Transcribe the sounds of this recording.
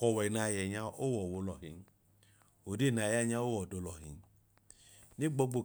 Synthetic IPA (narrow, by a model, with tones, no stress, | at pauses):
kɔ˨wɛ˨na˧˨jɛ˨ɲa˧o˦wɔ˨wo˧lɔ˨ɦi˨n˦ | o˨de˦˨na˨ja˦ɲa˦o˦wɔ˨do˨˧lɔ˨ɦḭ˨n˦ | ni˦ɡ͡bo˧ɡ͡bo˧˨